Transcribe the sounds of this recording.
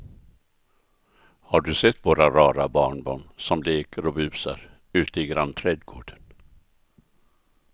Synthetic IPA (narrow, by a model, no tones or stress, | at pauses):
haɖɵsɛt̪ːvoːɾaɾɑːɾabɑːɳbɑːɳsɔmleːkəɾɔbʉ̟ːsa̰ɾ | ʉ̟ːt̪əɪɡɾant̪ʰɾɛd̪ɡoːɖən